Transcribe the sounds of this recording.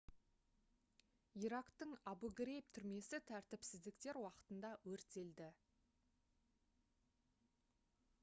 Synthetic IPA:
iɾɑqt̪əɴabuɡɾep̚t̪ʰʏɾme̞sɪt̪ʰæɾt̪ɪpsɪzd̪ɪkt̪e̞ɾwɑqə̥t̪ənd̪ɑwɵɾt̪e̞ld̪ɪ

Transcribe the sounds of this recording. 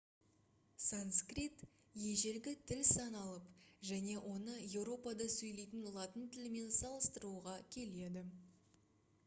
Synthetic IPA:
sanskrit̪ | je̞ʒe̞ɾɡʲɪt̪ʰɪlsɑnɑlˠəpʒæne̞ʔwʔo̞nəje̞wɾo̞pɑd̪ɑsɵjle̞jt̪ɪnlˠɑt̪ənt̪ʰɪlɪme̞nsɑlˠəst̪əɾuʁɑkʲʰe̞le̞d̪ɪ

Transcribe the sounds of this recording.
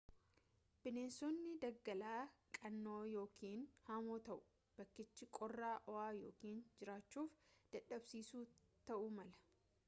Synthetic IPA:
b̥ɪneːnsɔnːɪd̪ɐɡːɐlaːkʼɐnːo̞ːjo̞ːkʰiːnhamoːt̪ɐʔʊ̥ | b̥ɐkːɪt͡ʃːɪkʼɔrːaːʔɔaːjoːkiːnd͡ʒɪɾaːt͡ʃːuːfd̪̥ɐᶑɐbsiːsuːt̪ɐʔʊmɐlɐ̥

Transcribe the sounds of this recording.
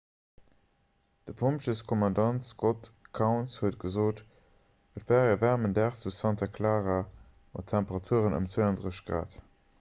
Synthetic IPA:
d̥əpʰompʃəskʰɔmɑndɑntsɡotkʰaʊnshuət̚ɡ̥əzoːt | ʔətvaːʁiːɐvæʁməndæχt͡susɑntakʰlaːʁaː | mʔɑ̰tʰːæmpəʁɑtʰuəʁənə̰mt͡sweɑndʁəʃɡ̥ʁa̰ːt

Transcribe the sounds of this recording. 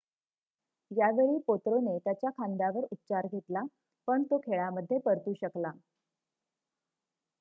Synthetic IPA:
jaʋeɭiːpot̪ɾonet̪jat͡ɕjakʰand̪aʋəɾut̪ːt͡ɕaɾɡʱet̪la | pəɳt̪okʰeɭaməd̪ʱːjepəɾt̪uːɕəkla

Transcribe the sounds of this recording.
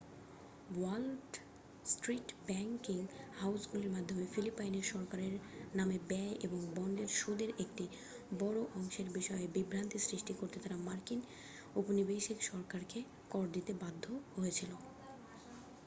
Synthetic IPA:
walɖ | sʈɾiʈbɛŋkiŋhawsɡuleɾmad̪ʱːomefilipajneɾʃɔɾkaɾeɾnamebɛʔeboŋbɔɳɖeɾʃod̪eɾʔek̚ʈi | bɔɾoʔɔŋʃeɾbiʃɔebibɾant̪isɾiʃʈikoɾt̪et̪ʰaɾamaɾkin | oponibejʃikʃɔɾkaɾke | kɔɾd̪it̪ebad̪ʱːoɦojet͡ɕʰilo

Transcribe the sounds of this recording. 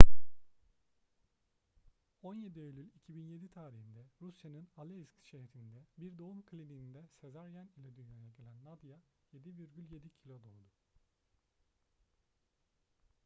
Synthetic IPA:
o̞nje̞d̪iølʲylʲicʰibinje̞d̪it̪ʰaːɾihind̪ɛɾusjanɯnalʲˠeskʃeɦɾind̪ɛbiɾd̪o̞umkʰɯlʲid̪iind̪ɛse̞zaɾjanilʲɛd̪yjlajaɟe̞lʲænːad̪ja | je̞d̪iviɾɟylʲje̞d̪icʰilʲo̞d̪olˠd̪u

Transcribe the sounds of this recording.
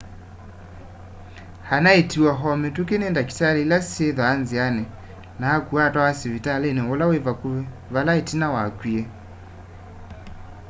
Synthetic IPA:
hanaetiwaɦɔmɛtukenɛndaki̥talɛlaseðɔanzianɛ | naakuatwawasivitalɛnɛwɔlawevaku | valaetinawakwiɛ

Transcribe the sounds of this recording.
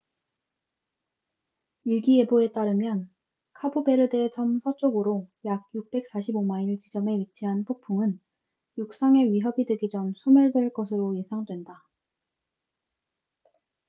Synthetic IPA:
iɭɡie̞boe̞t͈aɾɯmjʌn | kʰabobe̞ɾɯdet͡ɕʰʌmsʰʌt͡ɕ͈oɡɯɾojaɡ̚juk̚p͈e̞k̚s͈aɕʰibomaiɭt͡ɕid͡ʑʌme̞ɥit͡ɕʰiɦanpʰok̚pʰuŋɯn | juk̚s͈aŋe̞ɥiɦʌbideɡid͡ʑʌmsʰomjʌɭdwe̞ɭk͈ʌs̬ʰɯɾoisʰaŋdwe̞nda

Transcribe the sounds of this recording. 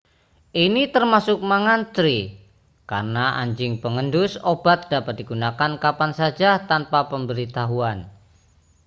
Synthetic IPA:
ʔinit̪ərmasʊk̚maŋant̪ɾi | karnaʔa̰ɲd͡ʒɪŋpəŋəndʊsobat̪̚d̥apat̪̚diɡunakankapansad͡ʒat̪anpapəmbəɾit̪aɦuan

